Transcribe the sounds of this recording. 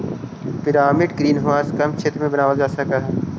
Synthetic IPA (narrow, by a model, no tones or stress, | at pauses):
pɪɾaːmɪʈɡɾiːnɦʊʋaːskɐmt͡ʃʰeːt̪ɾmẽbɐnaːʋəld͡ʒaːsɐkaːɦɛː